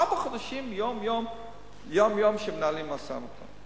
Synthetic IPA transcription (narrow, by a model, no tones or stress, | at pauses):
abaχod̪aʃimjomjom | jomjomʃemenalimasa̰mot̪ʰa̰